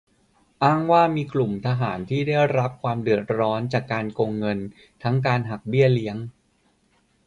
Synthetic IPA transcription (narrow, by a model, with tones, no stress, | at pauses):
ʔaː˥˩ŋwaː˥˩miː˧klu˨˩mt̪ʰa˧ɦaː˩˦nt̪ʰiː˥˩da˥˩jɾa˦˥p̚kʰwaː˧mdɯ˨˩ət̪̚ɾɔː˦˥nt͡ɕaː˨˩kːaː˧nkoː˧ŋːɤ˧n | t̪ʰa˦˥ŋkaː˧nɦa˨˩k̚bi˥˩əli˦˥əŋ